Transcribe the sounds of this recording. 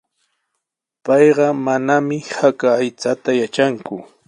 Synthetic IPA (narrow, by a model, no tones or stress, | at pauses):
pɑjɢɑmanamɪhakaːjt͡sat̪ajat͡ʃaŋkʊ